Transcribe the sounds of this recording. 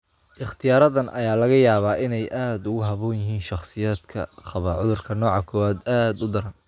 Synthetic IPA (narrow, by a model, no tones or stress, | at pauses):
ʔɪχt̪ʰɪjaːɾɐðɐnʔɐjaːlɐɣɐjaːβaːʔɪnɛjʔaːd̪ʊɣʊɦɐβɔːnjɪɦiːnʃɑχsɪjaːd̪kʰɐ̰χɑβɐʕʊðʊrkʰɐnɔːʕɑkʰɔːwaːd̪aːd̪ʊd̪ɐɾɐn